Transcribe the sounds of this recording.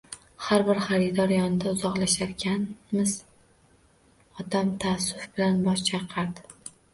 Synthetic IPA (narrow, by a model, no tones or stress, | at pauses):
haɾbɪɾχaɾɪd̪ɒɾjɒnɪd̪aʊzɒqlaʃaɾkʲʰanmɪz | ɒt̪amt̪ʰasːʊfbɪlanbɒʃt͡ʃʰaqʰɑɾd̪ɪ